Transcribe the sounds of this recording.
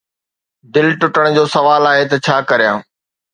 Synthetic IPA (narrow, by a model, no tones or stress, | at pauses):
d̪ɪlʈʊʈəɽ̃d͡ʑoːsɐʋaːlaːɦet̪ɐt͡ɕʰaːkɐɾijã̰ː